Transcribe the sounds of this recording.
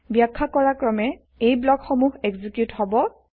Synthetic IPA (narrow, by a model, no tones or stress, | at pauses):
bjakʰːakɔɹakɹɔmɛ | ejblɔkxɔmuɦeɡzikjuthɔbɔ